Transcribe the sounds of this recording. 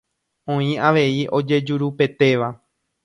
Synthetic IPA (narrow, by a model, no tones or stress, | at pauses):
õ̞ĩaʋe̞iʔo̞d͡ʒe̞d͡ʒuɾupe̞t̪e̞ʋa